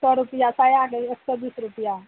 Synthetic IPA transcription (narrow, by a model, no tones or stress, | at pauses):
sɔɾʊpjasajakeeksɔbiːsɾupija